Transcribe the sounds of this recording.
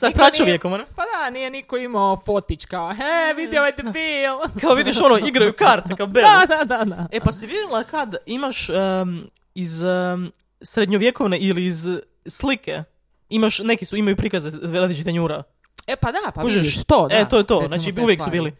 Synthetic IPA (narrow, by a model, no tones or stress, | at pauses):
sapɾat͡ʃoʋjekoʋmonepad̪anijenikoimaofot̪it͡ʃkaoɦeʋid̪jeoet̪epiːlkaoʋid̪iʃo̞noiɡɾajukaːɾt̪ekaobead̪ad̪ad̪aepasiʋid̪elˠakad̪imaʃə | iz | sɾed̪ɲoʋjeko̞ʋneʔiliːz | slike | imaʃne̞kisuimajupɾikazeɾad̪lit͡ʃit̪eɲuːɾa | epad̪apuʒeiʃʃt̪oet̪o̞jt̪oːznaːt͡ʃiuʋjeksubiːli